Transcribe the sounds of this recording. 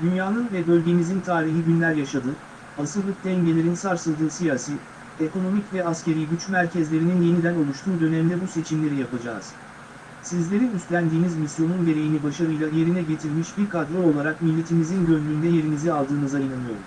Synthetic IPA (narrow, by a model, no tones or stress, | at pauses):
d̪ynjaːnɯnvɛbø̞lʲɟe̞mizint̪ʰaːɾiɦiɟynlʲæɾjaʃad̪ɯ | asɯlˠɯk̚d̪ɛɲɟe̞lʲe̞ɾinsaɾsɯlˠd̪ɯːsijaːsi | eko̞no̞micvɛasce̞ɾijɟyt͡ʃmæɾcʰɛzlʲe̞ɾininje̞nid̪æno̞lˠuʃt̪ʰuːd̪ø̞nemid̪ɛbuse̞t͡ʃʰimlʲe̞ɾijapad͡ʒaːz̥ | sizlʲe̞ɾinyst̪lʲænd̪iːnizmisjo̞nunɟe̞ɾe̞jinibaʃaɾɯjlˠaje̞ɾinɛɟe̞t̪ʰiɾmiʃbiɾkʰad̪ɾɛo̞lˠaɾakmilʲːe̞t̪ʰimizinɟø̞lʲmʲynd̪ɛje̞ɾinizialˠd̪ɯːnɯzainanˠɯjo̞̰ɾum